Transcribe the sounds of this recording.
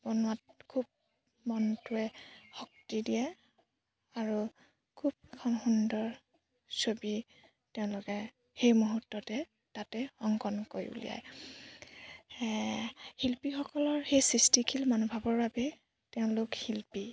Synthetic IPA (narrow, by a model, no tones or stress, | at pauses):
b̥ɔnʊat̚kʰub̚ | mɔntʊɛhɔk̚tidijɛ | aɹu | kʰub̚ɛkʰɔnxundɔɹ | sobi | teʊ̃lʊkɛ | xejmuɦutːɔtɛ | tatɛɔŋkɔnkoɹiṵlḭja̰j | hilpixɔkɔlɔɹxejsɹistikʰilmanubʱabɔɹbabɛ | teʊ̃lʊkhilpi